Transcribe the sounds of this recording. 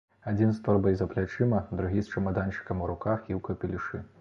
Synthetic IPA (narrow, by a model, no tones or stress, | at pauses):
ad͡zʲinst̪ɔrbɐjzɐplʲat͡ʂɨmɐd̪ɾuɣʲist͡ʃɐmɐd̪ant͡ʂɨ̥kɐmuɾukaxiwkɐpʲilʲiʂɨ